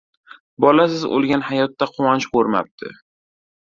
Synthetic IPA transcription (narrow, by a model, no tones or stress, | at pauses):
bɒlasɪzo̰lˠɡʲanhajɒt̪ːaqʰʊwant͡ʃqoɾma̰p̚t̪ʰɪ̰